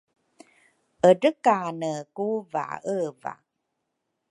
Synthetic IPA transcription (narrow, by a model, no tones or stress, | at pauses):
ʔədəkanəkuva̰ʔəva̰